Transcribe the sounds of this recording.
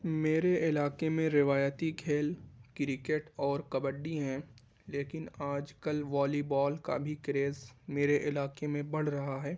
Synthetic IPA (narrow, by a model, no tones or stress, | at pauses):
meːɾeʔɪlaːkemẽɾɪʋaːjət̪iɡʰʱeːlkɪɾɪkeʈɔːɾkɐbəɖːiɦɛ̃ | leːkɪnaːd͡ʒkəlʋɔːlibɔːlka̰bʱikɾeːzmeːɾeʔɪlaːkemẽbɐɽ̤ɾɐɦaɦɛː